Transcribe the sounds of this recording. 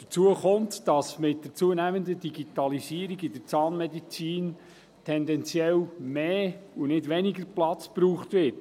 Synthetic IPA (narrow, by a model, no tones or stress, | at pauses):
d̥ə̥t͡suəχʊmtd̥ɑsmɪt̚dət͡suənæməndədiɡitɑlisiːəɾiɡidəɾt͡sɑːnmɛdit͡siːn | tʰɛndɛnt͡sjɛlmeːunɪdʋɛniɡəɾplɑt͡spɾuːχtʋɪt